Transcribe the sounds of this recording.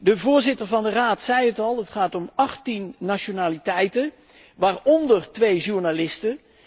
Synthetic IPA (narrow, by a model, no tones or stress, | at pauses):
dəvʊːɹzɪtəɹvɑndəraːtsɛjətɑlˠɦətχaːtɔmɑχtinːaʃonaːlitɛjtə | ʋaːrɔndərtʋejʒuɹnalɪstə